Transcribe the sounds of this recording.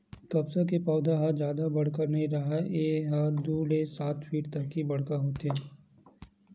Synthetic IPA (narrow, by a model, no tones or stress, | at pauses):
kɐbsakepaːd̪aɦad͡ʒjaːd̪abɐɽ̤kəɾnɐɦĩɾɐɦaeːɦad̪uːɽesaːt̪ʰpʰiːʈt̪ɐkːibɐɽ̤kaɦoːt̪eɦɛ